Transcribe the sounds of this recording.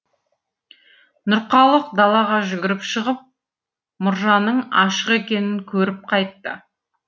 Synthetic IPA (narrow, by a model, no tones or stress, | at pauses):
nʊɾqɑlˠəqd̪ɑlˠɑʁɑʒʏɡʲɪɾɪpʃəʁəp̚ | mʊɾʒɑnəɴɑʃəqekʲe̞nɪŋkʲʰɵɾɪp̚qʰɑjt̪ːə